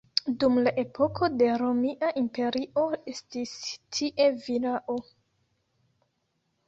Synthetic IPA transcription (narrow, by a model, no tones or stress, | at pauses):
dumlaʔe̞pʰo̞kʰo̞de̞ɾo̞miʔaʔimpe̞ɾiʔo̞e̞stistʰiʔe̞vilaʔo